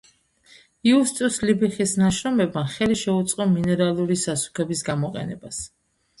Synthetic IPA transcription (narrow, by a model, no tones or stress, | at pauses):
iust̪ʼuslibiχisnaʃɾɔmɛbmaχɛliʃɛut̪sʼqʼɔminɛɾalˠuɾisasu̥kʰɛbisɡamɔqʼɛ̰nɛ̰bas